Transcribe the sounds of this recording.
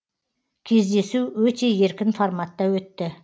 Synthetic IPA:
kʲʰe̞zd̪e̞suwɵt̪e̞je̞ɾkʲɪnformat̪ːɑwɵt̪ːɪ

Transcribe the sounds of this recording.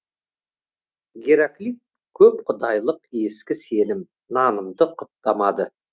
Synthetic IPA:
ɡʲeɾaklʲit̚ | kʲʰɵp̚qʰʊd̪ɑjlˠəqe̞skʲɪse̞lɪm | nɑnəmd̪əqʰʊp̪t̪ɑmɑd̪ə

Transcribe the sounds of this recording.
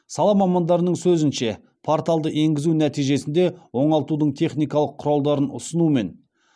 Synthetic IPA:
sɑlˠɑmɑmɑnd̪ɑɾənəɴsɵzɪnʃe̞ | pʰo̞ɾt̪aɑlˠd̪əʔe̞ŋɡʲɪzunæt̪ijʒe̞sɪnd̪e̞wo̞ɴɑlˠt̪ud̪əɴt̪ʰe̞χnijkɑlˠəqʰːʊɾɑlˠd̪ɑɾənʊ̰sənume̞n

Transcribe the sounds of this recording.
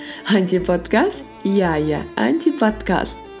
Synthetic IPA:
anʲt̪ʲipot̪kast̪ | jaja̰a̰nʲt̪ʲipat̪ka̰st̪

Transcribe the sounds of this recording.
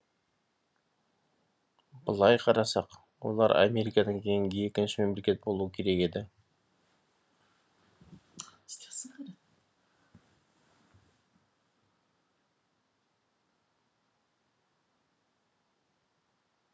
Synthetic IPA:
bəlˠɑjqʰɑɾɑsɑq | wo̞̰lˠɑɾa̰mʲe̞ɾikɑd̪ɑŋkʲʰe̞jɪŋɡe̞kʲɪnʃɪme̞mle̞kʲe̞t̪̚bo̞lˠuwəkʲʰe̞ɾe̞ke̞d̪ɪ

